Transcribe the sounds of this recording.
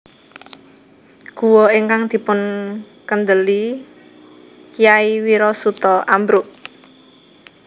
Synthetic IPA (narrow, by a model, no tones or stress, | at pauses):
ɡ̥ṳwɔiŋkaŋd̪̥i̤pʊn | kənd̪əli | kijaiwiɾɔsut̪ɔʔambɾʊʔ